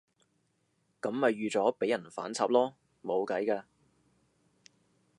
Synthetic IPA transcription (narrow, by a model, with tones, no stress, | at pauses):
kɐ˨˥mːɐ˨jɥyː˨˧t͡sɔː˨˥pe˨˥jɐ˨˩nfa̰ː˨˥nt͡sʰaː˨˧p̚lɔː˥ | mo˨˧wkɐ˨˥jkaː˧